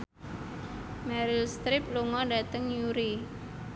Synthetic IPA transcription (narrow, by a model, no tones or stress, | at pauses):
mɛɾɪlst̪ɾɪp̚luŋɔɖa̤t̪əŋjuɾi